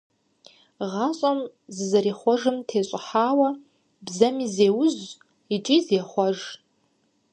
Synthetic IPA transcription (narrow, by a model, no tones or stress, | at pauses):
ʁaɕʼɐm | zzɐɾiχʷɔʐɨmtʰeːɕʷʼʊħaːwɐ | bzɐmizeːwʊz | it͡ʃʼizeːχʷɔʐ